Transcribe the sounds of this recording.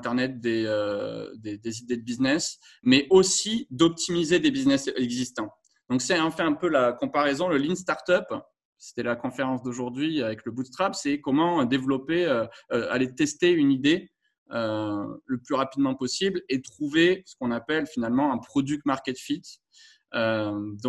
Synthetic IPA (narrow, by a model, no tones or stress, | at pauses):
t̪ɛʁnɛt̪̚d̪eød̪ed̪ezid̪ed̪əbiznɛs | mɛʔosid̪ɔp̚t̪ʰimized̪ebiznɛsɛɡzist̪ɑ̃ | d̪̥ɔ̃ksɛɑ̃fɛɛ̃pølakɔ̃paʁɛzɔ̃ləlins̬t̪aʁt̪œp | se̥t̪ɛlakɔ̃feʁɑ̃sd̪oʒuʁd̪ɥiavɛkləbut̪χapsɛkɔmɑ̃d̪evlɔpeøøa̰let̪ɛst̪eynid̪e | øləplyʁapid̪mɑ̃pɔsiblet̪χuvesə̥kɔ̃napɛlfinalmɑ̃ɛ̃pχɔd̪yk̚maʁkʲɛt̪fit̪ | ød̪ɔ̃